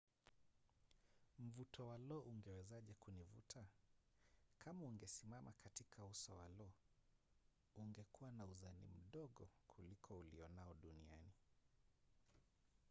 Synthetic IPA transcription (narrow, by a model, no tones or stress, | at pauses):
m̩vutʰɔwalɔʔuŋɡɛwɛzaʄɛkunivṵtʰa | kʰamauŋɡɛsimamʔa̰katikʰausɔ̰walɔ | uŋɡɛkuwanauzanḭm̩ɗɔɠɔkʰulikʰɔulḭɔnaɔɗuniani